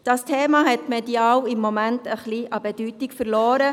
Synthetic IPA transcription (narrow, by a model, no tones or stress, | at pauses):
d̥ɑstʰeːmɑɦɛtmɛdiɑːwɪmːɔmæntəχliʔɑbɛd̥yːtikfəɾlɔːɾə